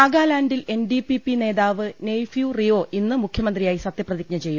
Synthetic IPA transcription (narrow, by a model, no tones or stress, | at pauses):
aːɡaːlaːnɖile̞nɖipipːine̞ːðaːʋɨnejfjurijo̞ːʔinːɨmukʰjɐmɐnd̪rijaːjisɐt̪jɐprɐðik̚ɲɐt͡ɕe̞jːum